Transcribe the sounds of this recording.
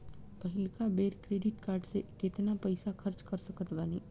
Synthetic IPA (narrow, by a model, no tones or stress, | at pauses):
pɐɦɪlkabeːɾkɾeːɖɪʈkaːɾɖsekɪt̪napɐɪsaxʰɐɾt͡ʃkɐɾsɐkət̪ʋaːniː